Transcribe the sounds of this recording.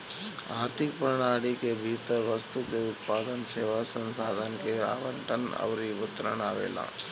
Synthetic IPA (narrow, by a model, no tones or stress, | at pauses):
aːɾt̪ʰikpɐɾɐɳaːɽikebʱiːt̪ɐʋɐst̪ukeut̪̚paːd̪ɐnseːʋasɐnsaːd̪ʱɐnkea̰ːʋɐɳʈɐnɐ̰ʋɾiʋut̪ːɐɾɐnaːʋḛːla̰ː